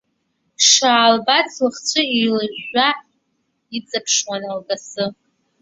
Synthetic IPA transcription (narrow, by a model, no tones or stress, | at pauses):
ʂaːlbat͡sʰlɨχt͡ɕʷʰɨijlɨʒa | it͡sʼapʰʂwanalɡʼasɨ